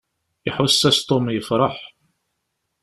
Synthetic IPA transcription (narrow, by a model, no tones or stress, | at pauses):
ɪħʊsːæst̪ˤomjəfɾˤɑħ